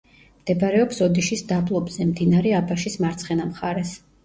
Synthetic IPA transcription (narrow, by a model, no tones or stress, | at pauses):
md̪̥ɛbaɾɛɔpsɔd̪iʃisd̪ablˠɔbz̥ɛmd̪inaɾɛabaʃismaɾt̪sʰχɛnamχaɾɛs